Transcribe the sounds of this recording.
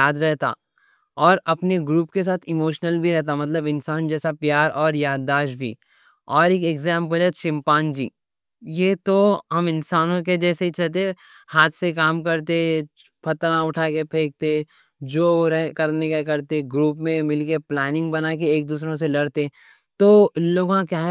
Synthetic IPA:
jaːd̪ɾɛɦt̪a̰ː | ɔːɾɐpneɡɾuːpkes̬aːt̪ʰɪmoːʃnəlbʱiɾɛɦt̪amɐt̪ləbɪnsaːnd͡ʒɛːsapjaːɾɔːɾjaːd̪ːaːʃbʱḭ | ɔːɾeːkeːɡzɛ̃ːmpəlɛt̪ʃɪ̃mpaːnd͡ʒḭː | jeːt̪oɦɐmɪnsaːnõk̬ed͡ʒɛːseit͡ʃʰɐt̪e | haːt̪ʰsekaːmkɐɾt̪e | pʰɐt̪ɾãʊʈʰaːkepʰeːk̚t̪e | d͡ʒoːɾɛɦkɐɾnekekɐɾt̪eɡɾuːpmẽmɪlkeplɛːnɪ̃ŋɡbɐnaːk̬eeːk̚d̪uːs̬ɾõs̬elɐɽt̪e | t̪oːloːɡãkjaː

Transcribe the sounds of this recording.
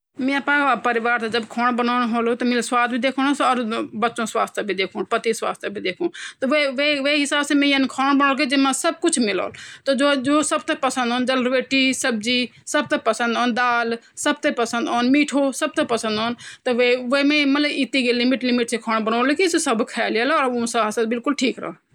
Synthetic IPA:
mẽːəpãːpəɾɪʋaːɾt̪ed͡ʒəbkʰoːɳbənoːɽ̃ɦoːlot̪ɐmeːlswaːd̪̚bʱiːd̪eːkʰoːɽõsoəɾbətːt͡ʃʃõːsʋa̰ːst̪ʰebʱid̪eːkʰoːɽpət̪isʋa̰ːst̪ʰebʱid̪eːkʰõːt̪ɐʋeʋeːʋeːɦɪsaːbseːmẽːənkʰoːɳbənoːlk̬ed͡ʒemãsəb̚kʊt͡ʃʰmɪlo̰ːlt̪od͡ʒoːd͡ʒoːsəb̚t̪epəsə̃nd̪ɦoːnd͡ʒɐlɾʋeːʈiːsəb̚d͡ʒiːsɐb̚t̪epɐsə̃nd̪ɦoːnd̪aːlsɐbt̪epɐsə̃nd̪oːnmiːʈʰosɐb̚t̪epɐsə̃nd̪oːnt̪ɐʋeʋemẽːmɐt̪ləbɪt̪iɡelɪmɪʈlɪmɪʈsekʰoːɽ̃bənoːlekisesɐbkʰɛːljalɔːɾosasəbɪlkʊlʈʰiːkɾɐ̰o

